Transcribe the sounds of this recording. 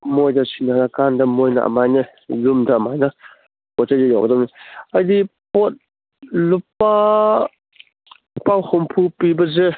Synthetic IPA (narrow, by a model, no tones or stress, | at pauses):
mɔjdasʰinanakandamɔjna̰ʔa̰majnɯ | lumdamajna | bɔt̚tazejɔk̚dɔmniajdipɔt̚ | lupa | pawhɔmpʰupibaze